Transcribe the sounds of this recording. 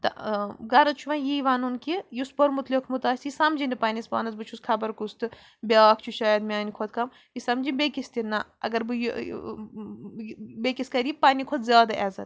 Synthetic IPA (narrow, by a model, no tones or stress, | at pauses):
t̪ɐ̰ɡɐɾɐt͡ʃʰuʋɐ̃njiiʋanunkijuspoɾmut̪lɐkʰmut̪aːsʲiisɐmd͡ʒindipaːnʲispa̰ːnɐs̬bɨt͡ʃʰuskʰɐbɐɾkust̪ɨ | bʲaːkʰt͡ʃʰuʃaːjɐd̪mʲaːnikʰot̪̚kɐm | jisɐmd͡ʒinʲbʲekist̪inːɐɐ̰ɡɐɾbɨj | bekiskɐɾipaːnʲikʰot̪zʲjaːd̪ɐʔɛzɐt̪